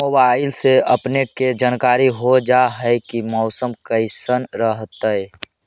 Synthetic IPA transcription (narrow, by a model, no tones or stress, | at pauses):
moːbaɪlseəpneked͡ʒaːnkaːɾiɦod͡ʒaɦɛɪkimɔːsəmkəɪsənɾəɦt̪əɛ